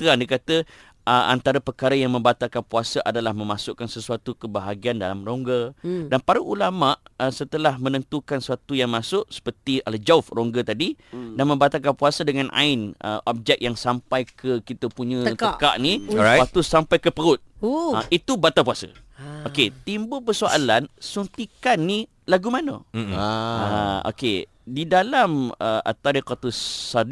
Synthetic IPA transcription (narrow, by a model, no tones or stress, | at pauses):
t̪əandikat̪ə | ʔəa̰nt̪aɾapərkaɾajaŋmə̃mbat̪akanpuasaʔadalahmə̃masʊʔkːansəsuat̪ukəbaɦaɡianda̰lamroŋɡədanpaɾaʔulamaʔəsət̪əlahmə̃nə̃nt̪ukansuat̪ujaŋmãsʊʔsə̥pərt̪ialəd͡ʒaʊfroŋɡət̪adidanmə̃mbat̪ak̬anpuasədəŋanʔa̰ɪnə̰ʔɔp̚d͡ʒɛk̚jaŋsampajkʰəkit̪əpuɲə̃ətəaʔka̰ʔniat̪usampajkəpəɾʊt̪̚ait̪ubat̪apuasə̰ | oket̪imbʊlpəsoʔa̰lansunt̪ikanːi | laɡumanə̰ | ao̰ke | didalaməʔa̰t̪aɾikat̪ussad